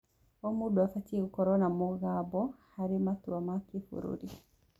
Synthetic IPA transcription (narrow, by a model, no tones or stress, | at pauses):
ɔmuɗuafatiukɔɾɔnamɔɣabɔhaɾimatuamakifṵɾṵɾi